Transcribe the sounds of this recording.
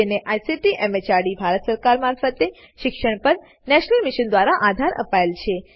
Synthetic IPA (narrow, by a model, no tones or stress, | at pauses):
eneʔajsiʈiʔɛmet͡ʃaɽibʱaɾət̪səɾkaɾmaɾfət̪e | ʃɪkʃəɳ̃pəɾ | nɛʃnəlmiʃənd̪ʋaɾaʔad̪ʱaɾə̰paelt͡ʃʰe